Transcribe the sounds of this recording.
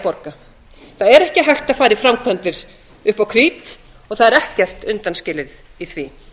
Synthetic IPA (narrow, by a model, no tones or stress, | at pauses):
pɔɾka | θaðɛɾɛhcɪɦajxt̪aðfaːɾɪfɾamkʰœnt̪ɪɾ̥ | ʏhpawkʰɾiːt̪ | ɔɣθaðɛɾɛhcɛr̥t̪ʏnt̪anscɪːlɪðiθviː